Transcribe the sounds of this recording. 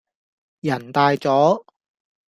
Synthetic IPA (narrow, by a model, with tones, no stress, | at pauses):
jɐ˨˩nt̪aː˧jt͡sɔː˨˥